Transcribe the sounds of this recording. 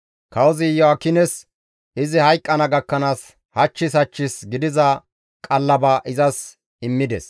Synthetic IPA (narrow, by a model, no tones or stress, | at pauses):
kɐwɔzɪjɔɐkɪnɛs | ʔɪzɪhɐjkʼːɐnɐɡɐkːɐnaːs | hɐt͡ʃːɪshɐt͡ʃːɪsɡɪd̪ɪzɐ | kʼɐlːɐbaːʔɪzɐs | ɪmːɪd̪ɛs